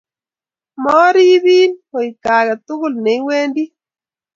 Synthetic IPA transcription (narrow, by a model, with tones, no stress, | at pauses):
mɔː˦ɾiː˦βiː˦no˨i˨kaː˨ɣa˨tu˦ɣu˦lne˨i˦weː˦ndi˦